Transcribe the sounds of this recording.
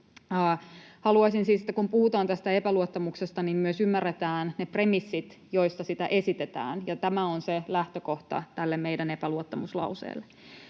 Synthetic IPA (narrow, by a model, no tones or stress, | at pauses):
hɑluɑisinsiːsit̪ːækumpuhut̪ɑːnt̪æst̪æepæluot̪ːɑmuksest̪ɑnimmyøsymːærːet̪æːnnepre̞misːit̪ | jo̞jst̪ɑsit̪æ̰ʔe̞sit̪et̪æ̰ːnjɑt̪æmæonselæht̪øko̞ht̪ɑ̰t̪ælːemmejdænepæluot̪ːɑmuslɑ̰usḛːlːe